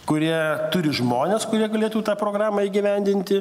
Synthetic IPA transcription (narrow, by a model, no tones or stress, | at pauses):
kʊɾʲiɛt̪ʊɾʲɪʒmoːnʲeːskʊɾʲiɛɡɐlʲeːt̪ut̪ɑːpɾoːɡɾɑːmɐːiːɡʲɪʋʲɛnʲd̪ʲɪnʲt̪ʲɪ